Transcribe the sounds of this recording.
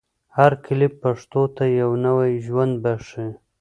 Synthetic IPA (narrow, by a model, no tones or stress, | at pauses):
haɾkʰɪlɪpːaʂt̪ot̪ajawnawajʒwand̪̚baʂi